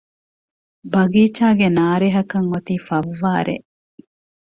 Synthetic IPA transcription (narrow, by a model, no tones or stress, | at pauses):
bɐɡiːt͡ʃaːɡenaːɾeɦɐkɐŋot̪iːfɐʋːaːɾʔḛ